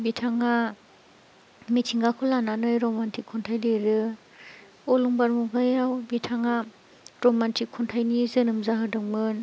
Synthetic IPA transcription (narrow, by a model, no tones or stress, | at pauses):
bitʰaŋa | mitʰiŋɡakʰɔlananɯjɾɔmantʰikʰːɔntʰajdɯɾɯ | ɔluŋbaɾmuɡajawbitʰaŋa | ɾɔmantʰikʰːɔntʰajnizɯnɯmzaɦɯdɯŋmɯn